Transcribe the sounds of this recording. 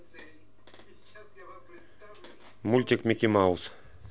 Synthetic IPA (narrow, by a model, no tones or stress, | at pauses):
mulʲt̪ʲikmʲekʲimawus